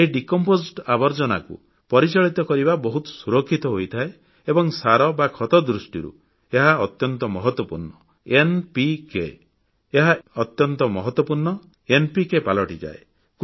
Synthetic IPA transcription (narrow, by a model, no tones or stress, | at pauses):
eɦiɖikɔmposʈabɔɾd͡ʒɔna̰kṵ | pɔɾit͡ʃɔɭit̪ɔkɔɾibabɔɦut̪ɔ̥suɾɔkʰːit̪ɔɦojt̪ʰae | ebɔŋsaɾɔbakʰɔt̪ɔd̪ɾusʈiɾṵ | eɦaɔt̪jɔnt̪ɔmɔɦɔt̪wɔpuɾɳɔ | enpikḛ | eɦaɔt̪jɔnt̪ɔmɔɦɔt̪wɔpuɾɳɔ | enpikepalɔʈid͡ʒa̰e | k